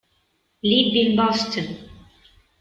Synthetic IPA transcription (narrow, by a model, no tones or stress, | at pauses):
libĩnbɔstʰən